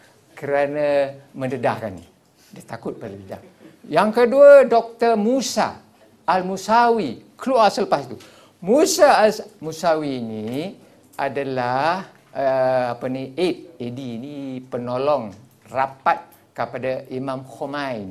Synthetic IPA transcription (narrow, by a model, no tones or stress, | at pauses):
kəɾanamə̃ndədahkanːi | dit̪akʊt̪̚pələdəda̰h | jaŋkəduadɔk̚t̪ərmusa̰ː | lmusawikluasələpasit̪u | musamusawiːni | adalah | əapəniet̪̚ediːnipənolɔŋ | rapat̪̚ | kəpadaʔimãmxomajn